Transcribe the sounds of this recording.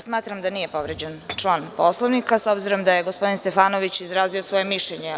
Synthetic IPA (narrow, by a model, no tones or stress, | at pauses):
smaːt̪ɾamd̪anije̞po̞ʋɾed͡ʑent͡ʂlˠaːnposlˠoʋnikasobziɾo̞md̪ajeɡospo̞d̪inst̪efaːnoʋit͡ɕizɾaːziosʋo̞je̞miʃleɲe